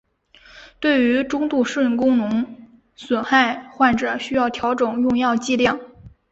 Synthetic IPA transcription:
t̪we˥˩ɪy˧˥ʈ͡ʂʊ˥ŋt̪u˥˧ʂə˥˩kʊ˥ŋnʊ˧˥ŋ | swə˨˩xa˥˧ɪxwa˥˩nʈ͡ʂɤ˨˩ɕy˥jɑ˥˩ʊt̪ʰjɑ˧˥ʊʈ͡ʂɤ˨˩ŋjʊ˥˧ŋjɑ˥˧ʊt͡ɕi˥˧ljɑ˥˩ŋ

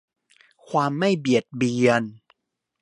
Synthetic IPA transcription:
kʰwaː˧mːa˥˩jbi˨˩ət̪̚bi˧ən

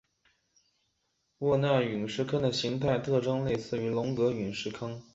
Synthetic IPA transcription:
wɔ˥˧na˥˩y˨˩nʂɻ̩˥˧kʰɤ˥ŋd̪ə˨ɕi˧˥ŋt̪ʰa˥˧ɪt̪ʰɤ˥˧ʈ͡ʂɤ˥ŋle˥˧ɪsɹ̩˥˩y˧˥lʊ˧˥ŋkɤ˧˥y˨˩nʂɻ̩˥˩kʰɤ˥ŋ

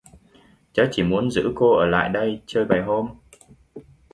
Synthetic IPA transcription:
t͡ɕaː˨˦˥t͡ɕi˧˩mu˨˦ənzɨ̰˧˥ko˧ʔəː˧˩la̰ː˧˨jɗə˧jt͡ɕəː˧jɓaː˨˩jɦo˧m

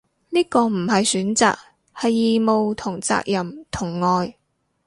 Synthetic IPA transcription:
niː˥kɔː˧m̩˨˩hɐ˨jsyː˨˥nt͡sa̰ː˨k̚ | hɐ˨jːiː˨mo˨wt̪ʰʊ˨˩ŋt͡sa̰ː˧k̚jɐ˨˩mt̪ʰʊ˨˩ŋːɔː˨˧j

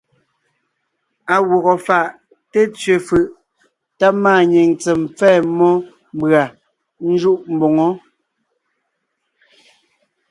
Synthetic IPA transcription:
a˨wɔ˨ɣɔ˨fa˨ʔ | te˦t͡sɥe˨fɯ˨ʔ | ta˦maː˦˨ɲe˨ŋt͡sɛ˨m˨p͡fɛː˦˨mɔ˦ | m˦bɰa˨ | n̩˦d͡ʒu˦ʔm̩˦bɔ˨ŋɔ˦

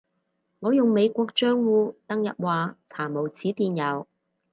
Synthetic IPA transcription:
ŋɔː˨˧jʊ˨ŋme˨˧jkʷɔː˧k̚t͡ʃœː˥ŋwuː˨˧t̪ɐ˥ŋjɐ˨t̚waː˨t͡sʰaː˨˩mo˨˩wt͡sʰiː˨˥t̪iː˨njɐ˨˧w

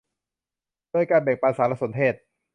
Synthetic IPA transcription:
d̥oː˧˩əjkaː˧nbɛː˨˩ŋpaː˧nsaː˩˦˥la˧˥so˩˦nt̪ʰeː˥˩t̪̚

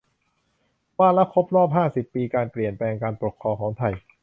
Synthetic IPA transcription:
waː˥˩nla˦˥kʰo˦˥p̚ɾɔː˥˩p̚ɦaː˥˩si˨˩pːiː˧kaː˧npli˨˩ənplɛː˧ŋkaː˧npu˨˩kʰːɾɔː˧kʰɔː˩˦ŋt̪ʰa˧˩j

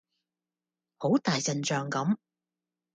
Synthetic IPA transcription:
ho˨˥wt̪aː˨˩jt͡sɐ˨nt͡ʃœː˨ŋkɐ˨˥m

